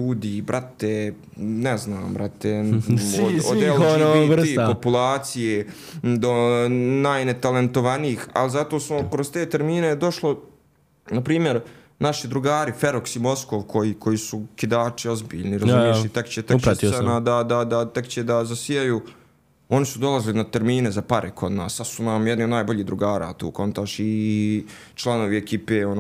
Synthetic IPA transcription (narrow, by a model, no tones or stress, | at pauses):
uːd̪ibɾʔat̪e | nɛzna̰ːmbɾat̪eood̪elonor̩ipopulˠaːt̪sije | d̪onajnet̪ale̞nt̪oʋaniiːxa̰lzat̪o̞ːsmokɾozt̪eːt̪e̞ɾmiːned̪o̞ʃlo | napɾiːmje̞ɾ | naʃid̪ɾuɡaːɾifeɾoksimo̞skoʋkʰo̞jiːkʰo̞jiːsukid̪aːt͡ʃio̞zbḭːʎniɾazumjeʃit̪ekt͡ɕet̪et͡ʃɾatt̪isenad̪ad̪ad̪at̪e̞kt͡ɕed̪azasijajuː | o̞nisud̪o̞lˠazlinat̪e̞ɾmiːne̞zapaɾʔekʰo̞d̪na̰ːsːad̪sunaːmjed̪nio̞d̪naːjbo̞ʎiːd̪ɾuɡaːɾa̰ːt̪ṵːko̞nt̪aʃi | t͡ʃlˠanoːʋiekiːpeːon